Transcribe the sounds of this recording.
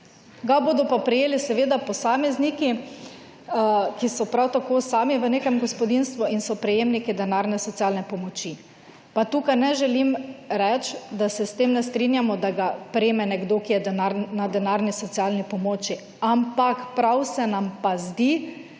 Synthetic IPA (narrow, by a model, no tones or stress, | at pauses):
ɡaboːd̪ɔpapɾɛjeːlisɛʋed̪apɔsaːmɛzniki | kisɔpɾawt̪akosaːmiʋəneːkɛmɡɔspɔd̪inst̪ʋuinsɔpɾɛjeːmnikid̪ɛnaɾnɛsɔt̪sialnɛpɔmɔt͡ʃi | pat̪uːkajnɛʒɛlimɾɛt͡ʃd̪asɛst̪eːmnɛst̪ɾinjamɔd̪aɡapɾemɛnɛɡd̪okijɛd̪ɛnaɾnad̪ɛnaɾnisɔt̪sialnipɔmoːt͡ʃi | ampakpɾawsɛnampazd̪i